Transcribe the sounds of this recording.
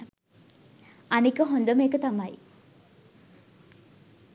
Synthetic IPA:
ɐnikəɦond̪omekət̪amɐj

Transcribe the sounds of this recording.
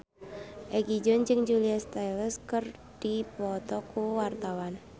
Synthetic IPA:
ʔɛɡid͡ʒʊnd͡ʒɨŋd͡ʒuliast̪ajləskərd̥ipɔt̪ɔkuwart̪awan

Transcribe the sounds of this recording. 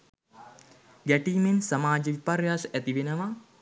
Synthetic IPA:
ɡæʈiːnensamaːd͡ʒəʋiparjaːsæt̪iʋenəʋa

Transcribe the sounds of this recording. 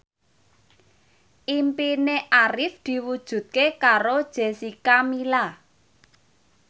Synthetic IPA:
ʔimpineʔaɾɪfd̪̥i̤wud̥ʒ̥ṳt̪̚kekaɾod̥ʒ̥e̤sikamila

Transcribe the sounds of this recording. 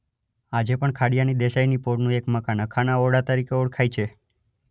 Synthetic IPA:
ad͡ʒepəɳkʰaɽijanid̪eʃajnipoɽnũekməkanəkʰanaoɽat̪əɾikeoɽkʰajt͡ʃʰe

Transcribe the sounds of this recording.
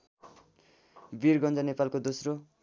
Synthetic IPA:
birɡʌnd͡zʌnepalkod̪osro

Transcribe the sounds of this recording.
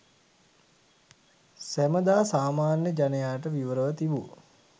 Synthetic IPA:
sæməd̪aːsaːmaːnjəd͡ʒanəjaːʈ̬əʋiʋəɾəʋət̪iʋu

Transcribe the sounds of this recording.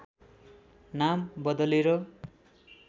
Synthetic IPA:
nambʌd̪ʌliɾʌ

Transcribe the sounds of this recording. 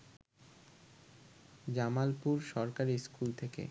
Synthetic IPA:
d͡ʑamalpuɾʃɔɾkaɾiskult̪ʰekḛ

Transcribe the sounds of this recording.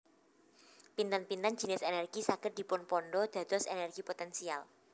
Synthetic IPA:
pint̪anpint̪an̥d͡ʒ̥i̤nɪsenɛrɡ̥isaɡ̥ət̪̚d̪̥i̤pʊnpɔnɖɔd̪̥ä̤d̪̥ɔsenɛrɡ̥ipot̪ɛnsial

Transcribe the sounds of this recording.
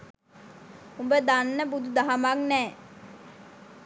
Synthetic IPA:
umbəd̪anːəbud̪ud̪aɦɐmaŋnɛː

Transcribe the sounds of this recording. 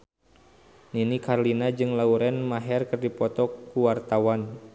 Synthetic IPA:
ninikarlinad͡ʒɨŋlauɾɛnmaɦɛrkɨrdipɔt̪ɔkuwart̪awan

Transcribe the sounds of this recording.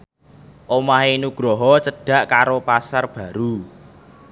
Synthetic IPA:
ʔomaɦeinuɡ̥ɾɔɦɔt͡ʃəɖ̥ä̤ʔkaɾopasarb̥ä̤ɾu

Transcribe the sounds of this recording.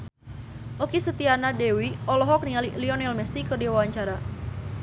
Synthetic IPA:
ʔokisət̪ianadewiɔlɔɦɔk̚niŋaliliɔnɛlmɛsikərdiwawaɲt͡ʃaɾa

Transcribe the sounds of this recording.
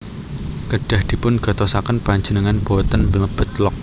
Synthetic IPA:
kəɖ̥a̤hd̪̥i̤pʊnɡ̥a̤t̪osakənpaɲd͡ʒənəŋanb̥ot̪ənbələb̥ə̤t̪̚lɔk̚

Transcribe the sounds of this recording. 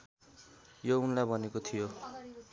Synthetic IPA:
jounlajbʱʌnekot̪ʰijo

